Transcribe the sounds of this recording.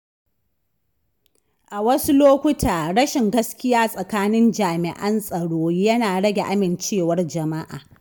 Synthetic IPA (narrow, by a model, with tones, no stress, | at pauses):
ʔa˨wɐ˦su˦loː˦kʷʊ˦tʰaː˨ɽɐ˦ʃɪ˨ŋɡɐ˦skʲɪ˦jaː˦sʼɐ˨kaː˦nɪ˦nd͡ʒaː˨mɪ˨ʔɐ˦nsʼɐ˨ɽoː˦jɐ˦naː˨ɽɐ˦ɡʲe˨ʔa˦mɪ˨nt͡ʃeː˦˨wɐ˦rd͡ʒɐ˨ma˦ʔa̰ː˨